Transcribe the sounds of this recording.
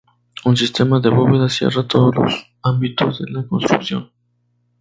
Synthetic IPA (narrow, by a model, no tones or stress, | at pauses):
unsist̪emaðeβoβeðasjḛrat̪oðozlo̰s | ãmbit̪ozðenakonst̪ɾuksjo̰n